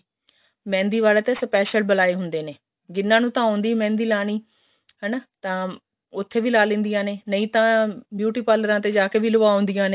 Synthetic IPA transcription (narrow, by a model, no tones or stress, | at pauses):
mɛ̃ːnd̪iːʋaːlaːt̪eːsəpɛːʃəlbəlaːeːɦʊnd̪eːneː | ɡɪnːãːnũːt̪ãːõːnd̪iːmɛ̃ːnd̪iːlaːñiː | ɦənat̪ãː | ʊt̪ʰːeːʋiːlaːlɪ̃ːnd̪ijãːneːnəĩːt̪ãːbjuːʈiːpaːləɾãːt̪eːd͡ʒaːkeːbʱiːlʊʋaːõːnd̪ɪjãːneː